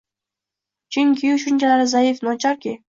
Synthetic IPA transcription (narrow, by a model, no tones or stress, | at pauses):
t͡ʃʰɪŋkʲʰɪʊʃʊnt͡ʃaɾɪzaɪfnɒt͡ʃʰaɾkʲɪ